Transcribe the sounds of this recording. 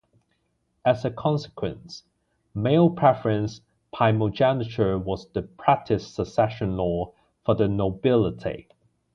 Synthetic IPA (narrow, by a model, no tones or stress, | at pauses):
əzəkʰɒ̃nsɪ̥kʰwə̃ns | meɪlˠpʰɹ̥ɛfəɹə̃ns | pʰaɪmod͡ʒænɪt͡ʃə˞wɒzðəpʰɹ̥æk̚tʰɪsəsɛʃə̃nlɔː | fəðənoʊbɪlˠɪtʰḭ